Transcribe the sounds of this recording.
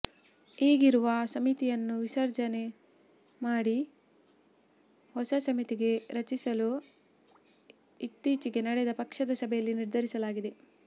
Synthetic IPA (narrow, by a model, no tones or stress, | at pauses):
iːɡiɾuʋɐsɐmit̪ijɐnːuʋisɐɾd͡ʒɐne̞ | maːɽi | hɔsɐsɐmit̪iɡe̞ɾɐt͡ʃisɐlu | it̪ːiːt͡ʃiɡe̞nɐɽɛd̪ɐpɐkʂɐd̪ɐsɐbʱɛjɐlːiniɾd̪ʱɐɾisɐlaːɡid̪e̞